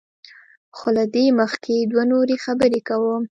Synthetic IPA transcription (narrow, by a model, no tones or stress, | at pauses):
xolad̪eməxked̪wanoɾexabəɾekawəm